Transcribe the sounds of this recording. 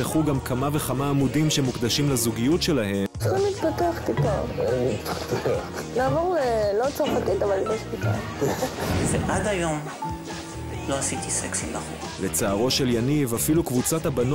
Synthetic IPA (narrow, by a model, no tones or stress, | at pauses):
aχuɡamkʰamave̞χamaːmudimʃe̞mukd̪aʃimlazuɡijutʃe̞lahe̞sχimit̪pat̪eaχt̪ipamit̪pḁt̪eaχnaːvoʁlelot͡saʁfat̪it̪avaldeʃbit̪a̰l | veʔad̪ajo̞m | lo̞asit̪iseksimdaχṵʁ | le̞t͡saːʁo̞ʃe̞ljanivafilukvut͡sat̪habano